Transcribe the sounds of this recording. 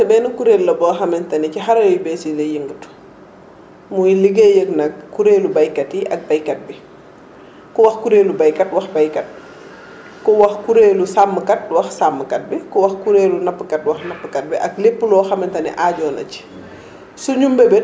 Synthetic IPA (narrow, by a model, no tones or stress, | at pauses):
tɛbɛːnukuɾelːɐbɔːxɐmɛntɐnɛcixaɾɐjibɛsinɐjiŋɡutu̥ | mujiliɡejəknɐk̚kuɾeːlubajkatiʔɐ̰k̚bajkat̚bi | kɔwɐxkuɾeːlubajkatwɐxbajkat̚ | kɔwɐxkuɾeːlusamːəkat̚wɐxsamːkɐt̚bikɔwɐxkuɾeːlunɐpːəkatwɐxnɐpːəkat̚biʔɐk̚lepːulɔːxɐmɛntɐnḭʔaːɟɔːnɐ̰ci̥ | suɲumbebɛ